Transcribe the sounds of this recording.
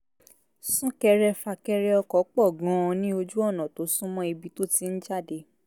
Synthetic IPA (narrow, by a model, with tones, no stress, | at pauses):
sũ˦kɛ˧ɾɛ˧fa˧˨kɛ˧ɾɛ˧ɔ˧kɔ˨˦k͡pɔ˦˨ɡɔ̃˨˦ɔ̃˧nĩ˦o˧d͡ʒu˦ɔ˦˨nã˨to˨˦sũ˦mɔ̃˦i˧bi˧to˦ti˧n̩˦d͡ʒa˦˨de˨˧˦